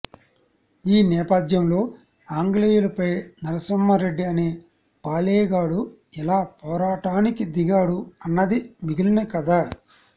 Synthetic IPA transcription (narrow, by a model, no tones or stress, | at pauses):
iːnɛːpɐd̪jɐmlo̞ː | aːŋɡlejulɐpɐjnɐɾɐsɐmːɐɾe̞ɖːiɐneː | paːlɛːɡaːɽu | ɛlaːpɔːɾaːʈaːnikid̪iɡaːɽuɐnːɐd̪imiɡilɐnɐkɐd̪aː